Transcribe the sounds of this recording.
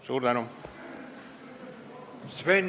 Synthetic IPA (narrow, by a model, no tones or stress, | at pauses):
suːɾd̪anu | sven